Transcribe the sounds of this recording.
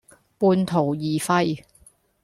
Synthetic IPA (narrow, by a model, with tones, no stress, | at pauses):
puː˧nt̪ʰo˨˩wjiː˨fɐ˧j